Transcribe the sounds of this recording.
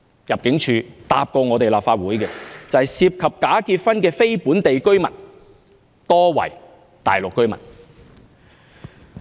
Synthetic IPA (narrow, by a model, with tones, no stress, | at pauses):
jɐ˨p̚kɪ˨˥ŋt͡ʃʰyː˨˧t̪a̰ː˧p̚kɔː˧ŋɔː˨˧t̪e˨jlaː˨pfaː˧t̚wuː˨˥jkɛː˧t͡sɐ˨˧hɐ˨jsiː˧p̚kʰɐ˨p̚kaː˨˥kiː˧t̚fɐ˥nkɛː˧fe˥jpuː˨˥nt̪e˨jkɵ˥ɥmɐ̰˨˩n | t̪ɔː˥wɐ̰˨˩j | t̪a̰ː˨˩jlʊ˨kːɵ˥ɥmɐ̰˨˩n